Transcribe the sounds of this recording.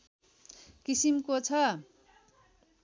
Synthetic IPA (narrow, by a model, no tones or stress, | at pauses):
kisimkot͡sʰʌ